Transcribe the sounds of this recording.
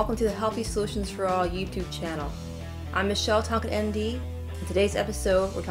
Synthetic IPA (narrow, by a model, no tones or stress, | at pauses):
lˠkəm̩tʰɨðɨɦɛlˠθisəlʉʃn̩z̥fə˞ɔjʉtʰʉb̚t͡ʃʰænl̩ˠ | ʔãɪ̃mɨʃɛlˠtʰɑ̃ŋkɨɾɛ̃ndĩ | n̩tʰɨdeɪzɛ̰pɨsoʊd̚wə̰˞kʰ